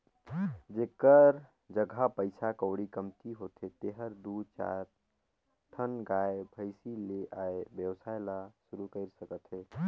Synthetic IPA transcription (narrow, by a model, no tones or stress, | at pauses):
d͡ʒekəɾ | d͡ʒəɡʱapəɪsakəʊɽikəmt̪iɦot̪ɦet̪eɦəɾd̪ut͡ʃa̰ɾ | ʈʰənɡaebʱəɪsileʔaebjəwsajlasuɾukəɪɾsəkət̪ɦe